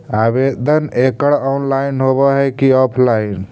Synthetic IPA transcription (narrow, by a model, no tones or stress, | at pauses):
abed̪ʱənekəɽɔunlainɦoβɔɦɛkiɔpʰlain